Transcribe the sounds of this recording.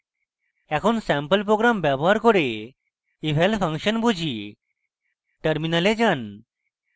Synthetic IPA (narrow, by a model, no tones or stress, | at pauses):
ɛkʰonsɛmpəlp̬ɾoɡɾambɛbɔɦaɾkɔɾe | ibʱelpʰəŋkʃənbud͡ʑʱi | ʈəɾminaled͡ʑan